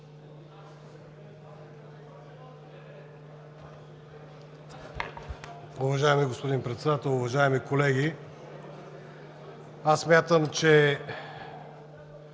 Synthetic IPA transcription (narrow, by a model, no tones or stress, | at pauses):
ʊvɐʒaɛmiɡospod̪inpɾɛt̪sɛd̪at̪ɛlˠʊvɐʒaɛmikolɛɡʲi | asːmʲjat̪əmt͡ʃɛ